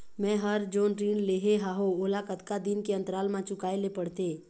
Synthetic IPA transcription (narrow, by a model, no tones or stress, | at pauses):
mɛ̃ːɦəɾd͡ʒoːnʈɾiːnleːɦeɦaːɦoolakət̪kad̪ɪnkeə̃nt̪ɾaːlmãt͡ʃʊkaːelepəɽt̪eː